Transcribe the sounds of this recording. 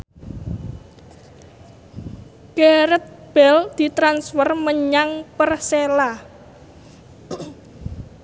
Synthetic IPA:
ɡ̥eɾət̪̚ | b̥ɛld̪̥i̤t̪ɾansfərməɲaŋpərsela

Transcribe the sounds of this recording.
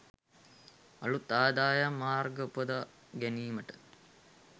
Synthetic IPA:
ɐlut̪aːd̪aːjamːaːrɡəpəd̪a | ɡæniːməʈə

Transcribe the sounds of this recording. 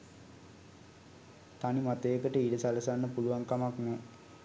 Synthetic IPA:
t̪animat̪əjəkəʈəiɖəsalɐsanːəpuluʋaŋkamakmu

